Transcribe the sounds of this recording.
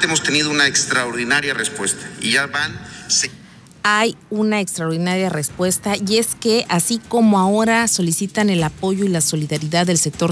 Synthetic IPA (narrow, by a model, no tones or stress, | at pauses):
emost̪e̞niðo̞unaekst̪ɾaoɾðinaɾjarespwe̞st̪ḁiʝaβanse | ajunaekst̪ɾaoɾðinaɾjare̞spwe̞st̪aje̞ske̞ʔasiko̞mo̞ao̞ɾaso̞lisit̪ane̞lapo̞ʝo̞ilaso̞liðaɾiðaðːe̞lsek̚t̪o̞ɾ